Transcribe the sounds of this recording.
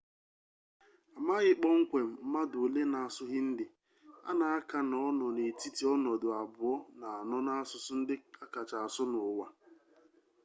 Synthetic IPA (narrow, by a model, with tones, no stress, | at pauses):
a˨maː˦ɣɪ˦k͡pɔ˦ŋ̩˦kʷe˨m̩˨˦ma˦do˨le˦na˨a˨sʊ˦ɣɪ˦n̩˦dɪ˨ | a̰˦na˨a˦ka˨nɔ˦nɔ˨ne˨ti˦ti˨ɔ˦nɔ˨dʊ˨a˨bʊ˨ɔ˦na˨a˨nɔ˦na˦a˦sʊ˨sʊ˦n̩˦dɪ˦a˦ka˨t͡ʃa˨a˨sʊ˦nʊ˨wa˦